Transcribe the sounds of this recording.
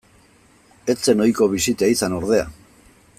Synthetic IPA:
e̞t͡se̞no̞jko̞β̞isit̪aisano̞ɾð̞e̞a̰

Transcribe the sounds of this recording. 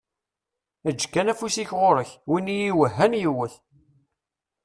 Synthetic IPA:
æd͡ʒːkːænæfusiçʁoɾəçwinijiwəɦːənjiwəθ

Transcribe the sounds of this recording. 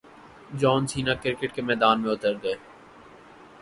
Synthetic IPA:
d͡ʒɔːnsiːnakɪɾkəʈkemɛːd̪aːnmẽʊt̪əɾɡɐeː

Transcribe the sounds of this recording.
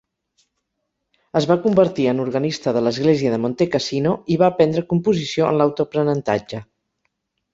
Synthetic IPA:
əzβakumbəɾt̪iənuɾɣənist̪əðələzɣleziəðəmont̪ekəsinoiβaːpɛnd̪ɾəkumpuzisioə̰nlawt̪upɾənənt̪a̰d͡ʒə

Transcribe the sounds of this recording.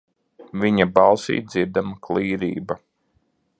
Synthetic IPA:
viɲabɑlˠsḭːt̪̚d̪ziɾd̪amaklˠiːɾḭːba

